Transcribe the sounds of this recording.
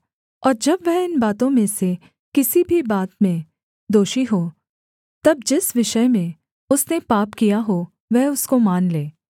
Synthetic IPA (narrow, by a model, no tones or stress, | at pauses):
ɔːɾd͡ʒɐbʋɛɦɪnbaːt̪õmẽse | kɪsibʱibaːt̪mẽ | d̪oːʃiɦoː | t̪ɐb̚d͡ʒɪsʋɪʃəmẽ | ʊsnepaːpkijaɦo | ʋɛɦʊskomaːnleː